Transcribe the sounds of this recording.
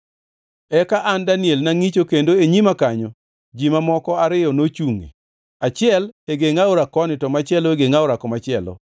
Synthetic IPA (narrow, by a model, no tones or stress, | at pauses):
ɛkaʔandanɪelnaŋit͡ʃokendoeɲimakaɲɔ | d͡ʒimamɔkɔaɾɪjɔnot͡ʃuŋḛ | at͡ʃɪɛleɡeŋaoɾakɔnɪtɔmat͡ʃɪɛloeɡeŋaʊɾakɔmat͡ʃɪɛlɔ̰